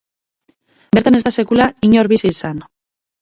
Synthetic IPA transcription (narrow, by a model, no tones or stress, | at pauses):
be̞ɾt̪ane̞zd̪ase̞kulaiɲo̞ɾβisisan